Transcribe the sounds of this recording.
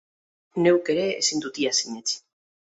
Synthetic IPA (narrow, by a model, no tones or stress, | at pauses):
ne̞wkeɾḛːsind̪ut̪iasiɲet͡s